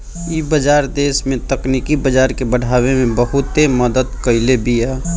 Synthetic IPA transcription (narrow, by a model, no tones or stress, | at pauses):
ibəd͡ʒaɾd̪esmẽt̪əknikibəd͡ʒaɾkebəɽ̤ʱaβemẽbəɦut̪eməd̪əd̪kəɪlebʱiɛ